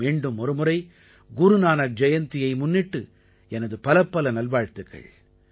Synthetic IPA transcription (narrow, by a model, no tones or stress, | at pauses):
eːɳɖɯmɔɾɯmɯɾɐɪ | ɡʊɾɯnaːnɐk̚d͡ʒɐjɐnt̪ɪjɐɪmʊnːɪʈːɯ | ɛnɐðɯpɐlɐpːɐlɐnɐlʋaːɻt̪ɯɣɐ̰ɭ